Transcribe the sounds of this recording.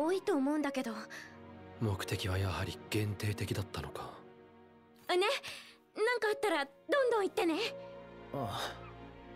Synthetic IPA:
oːit̪o̞ːmo̞ɯ̃nd̪ake̞d̪o̞ | mo̞kɯ̥t̪e̞kʲiβajahaɾʲiɡ̥ẽ̞nt̪e̞ːt̪e̞kʲid̪at̪ːano̞kʰḁ | ɯne̞ | nãŋkaːt̪ːaɾa | d̪õ̞nd̪õɰ̃it̪ːe̞ne̞ | a

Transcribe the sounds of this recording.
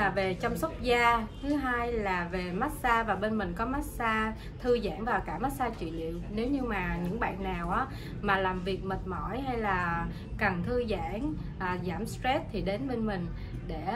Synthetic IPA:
aːvet͡ɕɔwŋ͡msət̚zaːt̪ʰɨɦaːjlaːvemat̚saːvaːɓenmïŋ̟kɔmat̚saː | t̪ʰɨəza̰ːŋvaːwkaːmat̚saːt͡ɕwḭlḭəwnewɲɨmaːɲɨ̰ŋɓa̰ːnːaːwʔaː | maːlaːmviək̚mit̚mɔ̰jɦajlaː | kənt̪ʰɨza̰ːŋ | ʔːzaːmstɹɛt̚t̪ʰiɗenɓenmïŋ̟ | ɗe

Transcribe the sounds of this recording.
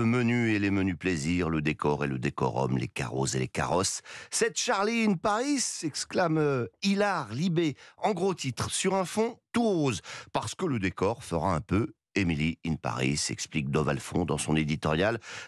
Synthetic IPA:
əmənyelemənypleziʁləd̪ekɔʁeləd̪ekɔ̰ʁɔ̰mlḛka̰ʁozeleka̰ʁɔsːɛt̪ʃaʁliːnpaʁisɛksklamilaʁlibeɑ̃ɡʁot̪it̪χsyʁɛ̃fɔ̃t̪uʁozpaʁsə̥kələd̪ekɔʁfəʁaɛ̃pø | emiliinpa̰ʁḭsɛ̰ksplik̚d̪ɔvalfɔ̰̃d̪ɑ̃sɔ̃ned̪it̪ɔʁjal

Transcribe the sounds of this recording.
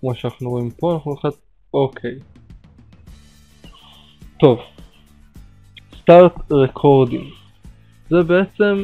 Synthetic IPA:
kmoʃanaχnuʁoimpoanaχnuχat̪̚ | okʰej | tov | st̪aʁt̪ʁekʰoʁdḭ̃ŋ | zɛbeet͡sem

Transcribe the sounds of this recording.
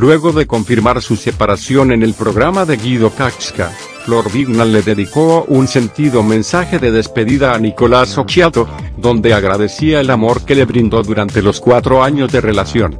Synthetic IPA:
lwe̞ɣo̞ðe̞ko̞ɱfiɾmaɾsuse̞paɾasjo̞ne̞ne̞lpɾo̞ɣ̞ɾamaðe̞ɣiðo̞kakska̰ | flo̞ɾbiɡnalːe̞ðe̞ðiko̞unse̞nt̪iðo̞mẽ̞nsaxe̞ðe̞ðe̞spe̞ðiðaːniko̞laso̞kt͡ʃjat̪oðo̞nd̪e̞aɣɾaðe̞siae̞lamo̞ɾke̞le̞βɾind̪o̞ðuɾant̪e̞lo̞skwat̪ɾo̞aɲo̞zðe̞re̞lasjo̞̰n

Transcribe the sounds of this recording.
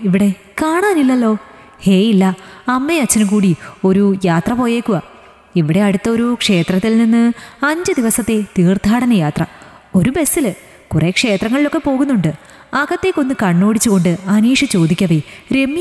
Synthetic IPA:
iʋiɽe̞ | kaːɳaːnilːɐlːo̞ː | he̞ːilːɐɐmːeɐt͡ɕːɐnɨkuːɽio̞ɾujaːt̪rɐpo̞ːje̞ːkːuɣɐ | iʋiɽe̞ɐɽut̪ːɐo̞ɾukʂe̞ːt̪rɐt̪ːilninːɨɐɲd͡ʑɨd̪iʋɐsɐt̪ːe̞t̪iːrt̪ʰaːɽɐnɐjaːt̪rɐ | o̞ɾube̞sːil | kurekʂe̞ːt̪rɐŋːɐɭilo̞kːe̞po̞ːɣunːuɳɖɨ | ɐɣɐt̪ːekːo̞nːɨkɐɳːo̞ːɽit͡ɕːuɣo̞ɳɖɨɐniːʂɐt͡ɕo̞ːd̪ikʲːɐʋiɾe̞mːj

